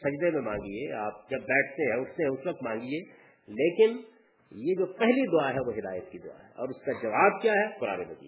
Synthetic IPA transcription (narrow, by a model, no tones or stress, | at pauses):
sɐd͡ʒd̪emẽmãːŋɡieaːp̚d͡ʒɐbːɛːʈʰt̪eɦɛ̃ʊsseɦɛ̃ʊsʋɐk̚t̪mãːŋɡid͡ʒeː | leːkɪn | jed͡ʒoːpɛɦlid̪ʊaɦɛʋoɦɪd̪aːjət̪kid̪ʊa̰ɦɛɔ̰ːɾʊskad͡ʒɐʋaːb̚kjaɦɛkʊɾa̰ːmḛ̃bɐt̪ḭ